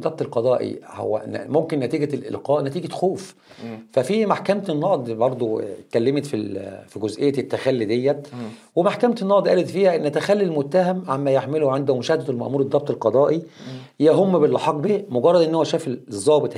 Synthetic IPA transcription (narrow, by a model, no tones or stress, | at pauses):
ɑb̚t̪ˤelqɑd̪ˤɑːʔḭho̰wːæ̰nmomkenːæt̪iːɡælʔḛlqɑːʔnæt̪iːɡæxoːf | fæfiːmaħkæmt̪enːɑʔd̪ˤbɑɾˤd̪ˤot̪kælːemet̪fifiɡozʔejːæt̪et̪ːæxælːid̪ejːæwemaħkæmt̪enːɑʔd̪ˤʔæːlet̪fiːhæʔenːæt̪æxælːilmot̪ːæɦæmʕamːæjeħmeloʕend̪omoʃæːhæd̪æelmæ̰ʔmuːɾed̪ˤɑb̚t̪ˤelqɑd̪ˤɑːʔijæɦomːbelːɑħɑːqːbemoɡɑrˤːɑd̪ʔenːhowæʃæːfzˤːɑːbet̪ˤ